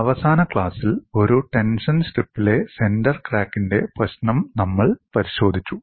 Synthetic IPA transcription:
ɐʋɐsaːnɐkɭaːsilo̞ɾuʈe̞nʂɐnɕʈripːile̞se̞ndɐrkraːkːinde̞prɐɕnɐmnɐmːɐɭpɐɾiɕo̞ːd̪ʱit͡ɕːu

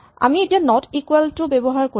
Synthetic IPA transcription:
a̰mietianɔtikwɛltʊbɛbɔɦaɹko

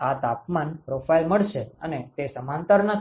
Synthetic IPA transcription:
at̪apmanpɾofajlməɭʃeənet̪esəmãnt̪əɾnə

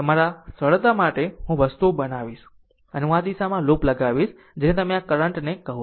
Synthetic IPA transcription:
əmaɾasəɭd̪amaʈeɦũʋəst̪oɓənaʋiːs | əñad̪isamãloːpləɡaʋis | d͡ʒẽːnẽt̪ɐmẽãkəɾəɳʈnekəɦu

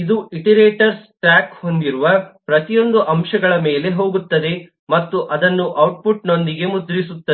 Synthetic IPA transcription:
id̪uiʈiɾeːʈɐɾsʈɾaːkho̞nd̪iɾuʋɐpɾɐt̪ijo̞nd̪uʔɐmʃɐɡɐɭɐme̞ːle̞ɦo̞ːɡut̪ːɐd̪e̞ | mɐt̪ːuʔɐd̪ɐnːuʔɐwʈ̚puʈno̞nd̪iɡe̞mud̪ɾisut̪ːɐe

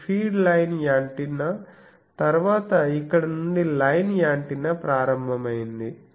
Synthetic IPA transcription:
pʰiːɖlɐjnjaːɳʈinɐ | t̪ɐɾuʋaːt̪ɐikːɐɽɐnuɳɖilɐjnjaːɳʈinɐpɾaːɾɐmbʱɐmɐjind̪i

